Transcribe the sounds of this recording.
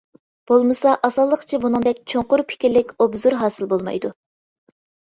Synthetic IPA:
b̥olˠmɨsɑʔɑsɑlˠːəqt͡ʃʰibunɨŋd̪ɛkʲt͡ʃʰoŋqʊɾpʰɪ̥kʲiɾlɪkʲobzuɾɦɑːsɨlˠbolˠmɑ̰jd̪u

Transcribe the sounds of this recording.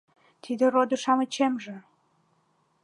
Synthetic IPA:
t̪ʰid̪ĕrod̪əʃɑmət͡ɕemʒĕ

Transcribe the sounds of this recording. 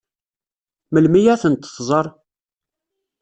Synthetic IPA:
məlmijæθənt̪ːθzˤəɾˤ

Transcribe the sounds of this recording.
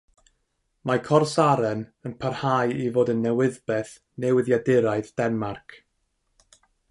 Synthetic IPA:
makʰɔrsaɾɛnənpʰarhajivoːdənːɛwɪðbɛθ | nɛwɪðjadɪɾaɨðd̥ɛnmarkʰ

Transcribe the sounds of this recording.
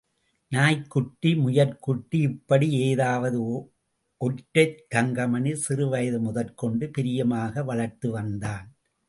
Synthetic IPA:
naːjkːʊʈːimʊjɐɾkʊʈːiɪpːɐɽieːðaːʋɐðɯ | ʔɔʈːɐt̪ɐŋɡɐmɐnɪlsɪrɯʋɐjɐðɯmʊðɐlkɔɳɖɯpɪɾɪjɐmaːɣɐʋɐɭɐɾt̪ɯʋɐnd̪aːn

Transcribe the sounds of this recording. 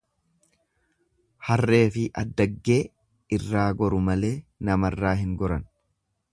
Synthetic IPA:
hɐrːe̞ːfɪʔɐd̪ːɐɡːe̞ː | ɪrːaːɡɔɾʊmɐle̞ːnɐmɐrːaːɦɪŋɡɔɾɐn

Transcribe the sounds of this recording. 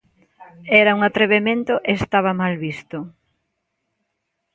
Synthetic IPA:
ɛɾɐuŋat̪ɾeβemẽnt̪ʊʔest̪aβ̞ɐmalβist̪ʊ

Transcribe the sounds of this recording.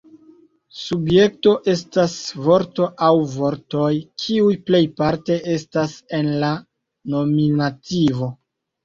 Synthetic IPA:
subje̞k̚to̞ʔe̞stasvo̞ɾto̞ʔawvo̞ɾto̞jkʰiujple̞jpaɾte̞ʔe̞stase̞nla | no̞minativo̞

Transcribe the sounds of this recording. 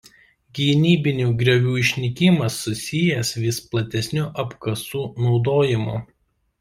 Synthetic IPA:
ɡʲiːnʲiːbʲɪnʲuːɡɾʲɛʋʲuːɪʃʲnʲɪkʲɪmɐsːʊsʲɪjɛsʋʲɪsplˠɐt̪ʲɛsʲnʲʊʔɐpkɐsuːnɒʊd̪oːjɪmṵ

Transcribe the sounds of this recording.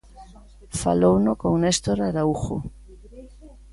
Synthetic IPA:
fa̰lownokoŋnest̪oɾaɾauxo̰

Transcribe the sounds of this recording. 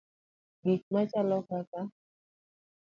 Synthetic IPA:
ɡ̥it̚mat͡ʃalɔkaka

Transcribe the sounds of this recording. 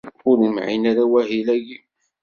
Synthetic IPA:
ʊɾimʕḭnaɾawæhilæɡi

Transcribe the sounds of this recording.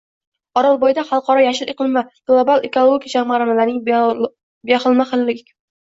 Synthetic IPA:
ɒɾɒlˠbojd̪aχɑlˠqɒɾɒjaʃɪleqɨlˠmaɡ̥lˠabalˠekolˠoɡʲikʲd͡ʒamaɾanalaɾnɪŋ | bejaχɨlˠmaχɨllɪkʲ

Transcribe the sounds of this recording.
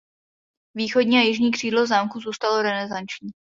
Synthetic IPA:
viːxodɲiːajɪʒɲiːkr̝̥iːdlozaːmkuzuːst̪alo̞ɾɛnɛzant͡ʃɲiː

